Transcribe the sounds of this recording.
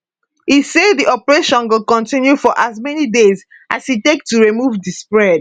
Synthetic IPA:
hisedðiʔɔpəɹeʃɔ̃nwɪlkɔ̃ntĩnjufɔʔazmɛnidez | ʔashitek̚tuɹimuvdispɹɛd̚

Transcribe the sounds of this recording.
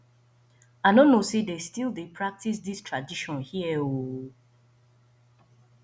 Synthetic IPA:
aɪnonosedestilˠdepʰɹak̚tis̬distʰɹadiʃɔ̃nhiɛo

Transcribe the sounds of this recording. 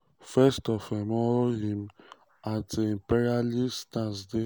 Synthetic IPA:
fɛstɔfdɛ̃mɔlɦĩm | ateĩmpɛɾialistãnsde

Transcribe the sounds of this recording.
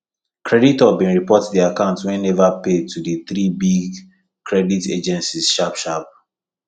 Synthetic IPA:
kʰɹɛditɔbĩnɹipɔtdiakãʊ̃ntwɛ̃nɛvaped̚tʰudiθɾibiɡ | kʰɹɛditḛd͡ʒɛ̃nsiz̥ʃapʃap̚

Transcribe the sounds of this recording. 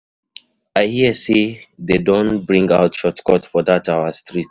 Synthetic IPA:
aɪhiəsededõnbɹĩŋɡaʊtʃɔtkɔtfɔdataʊəstɹit

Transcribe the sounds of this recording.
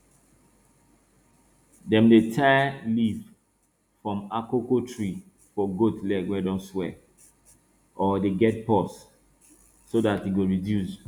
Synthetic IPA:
dɛ̃mdetʰaliv | fɹɔ̃makokotʰɹi | fɔɡotlɛɡwɛdɔ̃nswɛ | ʔɔdeɡɛt̚pɔsː | odatiɡoɹidjus

